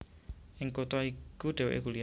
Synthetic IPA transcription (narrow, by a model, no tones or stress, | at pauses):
ʔɪŋkot̪ɔikuɖ̥ɛ̤wḛʔḛɡ̥uli